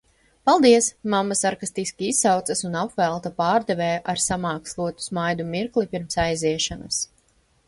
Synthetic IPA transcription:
palˠd̪iɛsmamːasaɾkast̪iskʲiisːawt̪sɐsunapvɛlˠt̪apaːɾd̪ɛvɛːʔaɾsamɑːkslˠuɔt̪u̥smajd̪umiɾklˠipʲiɾmsajziɛʃanɐs

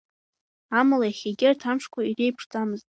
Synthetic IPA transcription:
amalajaχʲeɡʲɪrtʰamʂkʷʰairejpʰʂt͡sʼamɨztʼ

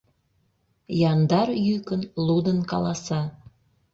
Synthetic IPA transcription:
jɑnd̪ɑrjykənlud̪ənkɑ̰lɑsɑ

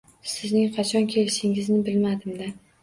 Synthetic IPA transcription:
sɪznɪŋqʰɑt͡ʃʰɒnkʲʰe̞lɪʃɪŋɪznɪbɪlmad̪ɪmd̪a

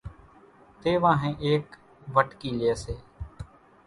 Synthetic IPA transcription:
t̪eːʋãːɦẽːʔeːk | ʋəʈkiːljeːseː

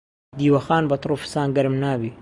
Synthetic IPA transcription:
d̪iːwɐxaːnbɐt̪ɾufɨ̥saːnɡɐɾɨmnaːbi

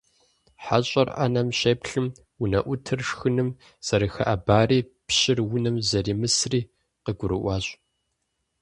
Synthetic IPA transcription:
ħa̰ɕʼɐrʔɐ̰nɐmɕeːpɬɨm | wʊnɐʔʷʊtʰɨrʂxɨnɨm | sɐɾɨxɐ̰ʔɐbaːriːpɕɪrwʊnɨmzɐriːmɨsriː | qəɡʷʊɾɨ̰ʔʷɑːɕʼ

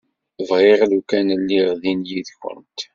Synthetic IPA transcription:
vʁɪʁðukænəlːiʁðinjiðçʊ̰nt̪

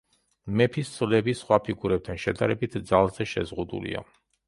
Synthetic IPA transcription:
mɛpʰist̪sʰʼvlɛbisχwapʰiɡuɾɛp̚t̪ʰanʃɛd̪aɾɛbit̪ʰd̪zalˠzɛʃɛ̰zʁud̪ṵlḭa̰

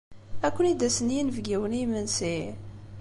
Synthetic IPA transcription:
ækʷːənid̪æsənjinvɡiwənimənsi

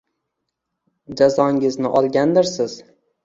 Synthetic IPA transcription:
d͡ʒazɒŋʲɪznɪʔɒlˠɡʲand̪ɪɾsɪz̥

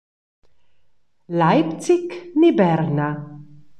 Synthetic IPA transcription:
lajp̪t͡siknibɛɾna

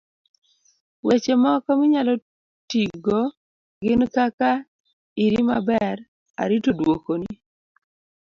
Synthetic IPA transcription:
wet͡ʃemɔkɔmɪɲalɔ | tiɡo | ɡɪnkaka | iɾima̰bɛɾ | a̰ɾitodwokoni

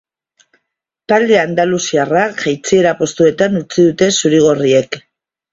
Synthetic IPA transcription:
t̪ald̪e̞and̪alusiaraʝajt͡sie̞ɾapo̞st̪ue̞t̪anut͡siðut̪e̞suɾiɣ̞orie̞k

